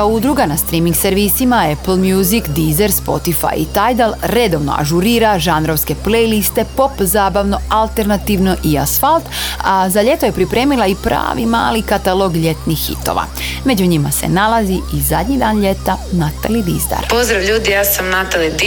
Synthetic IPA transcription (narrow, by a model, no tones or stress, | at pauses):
aud̪ɾuɡanast̪ɾiːmiŋɡseɾʋiːsimaepl̩ˠmjuzikd̪izeɾspo̞̰t̪ifa̰jḭt̪ajd̪alˠɾe̞d̪o̞ʋno̰a̰ʒuɾiːɾaʒanɾoʋske̞plejlist̪e̞po̞pzaːbaʋno̞alˠt̪e̞ɾnat̪iːʋno̞ʔia̰sfalˠt̪azaʎe̞t̪o̞je̞pɾipɾe̞ːmilˠaipɾa̰ːʋḭma̰ːlikat̪alˠo̞ɡʎe̞t̪nixːḭt̪o̰ʋa̰ | me̞d͡ʑuɲimase̞̰nalaziʔizad̪ɲid̪aːnʎe̞t̪anat̪alid̪izd̪a̰ɾpo̞zd̪ɾaʋʎuːd̪ijaːsamnat̪alid̪